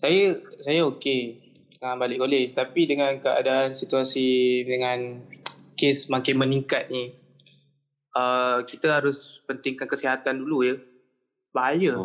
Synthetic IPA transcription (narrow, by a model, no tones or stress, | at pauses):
sajəsajəokedəŋambalɪʔkolɪt͡ʃt̪apidəŋãnkəʔa̰daʔansit̪uasidəŋãn | kesmãŋkɪnmənĩŋkat̪̚ni | əkit̪əɦaɾʊspənt̪ɪŋkankəsiɦat̪andulujə | b̥aɦajə